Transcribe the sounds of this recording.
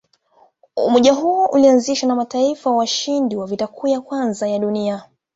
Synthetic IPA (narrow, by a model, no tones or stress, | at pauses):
ṵmɔʄaɦuɔʔulianziʃanamataifawaʃindiwavitakʰujakwanzajaɗunia